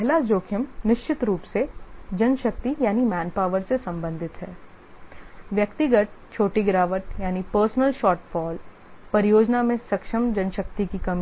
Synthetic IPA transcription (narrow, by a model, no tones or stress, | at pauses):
pɛɦlad͡ʒoːkʰjəmnɪʃt͡ʃɪt̪ɾuːpsed͡ʒɐnʃɐk̚t̪ijaːnimɛːnpaːʋəɾsesɐ̃mbə̃nd̪ʱɪt̪ɦɛː | ʋjɐkt̪ɪɡəʈ̪̚t͡ʃʰoːʈiɡɾaːʋəʈ̪jaːnipəːɾsnəlʃɔːɾʈfɔːl | pɐɾɪjoːd͡ʒnamẽsɐkʃəmd͡ʒɐnʃək̚t̪ikikɐmi